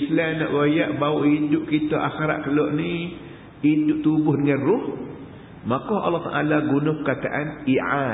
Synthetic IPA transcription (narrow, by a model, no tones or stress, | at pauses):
islanɔʔwajaʔbaʊʔidʊʔkit̪ɔʔa̰xeɾa̰ʔkəlɔʔni | idʊʔt̪ubʊhdəŋãnrʊh | makɔʔɑ̰lːɔht̪a̰ʔalaɡunʊhpəkat̪a̰ʔaniʕa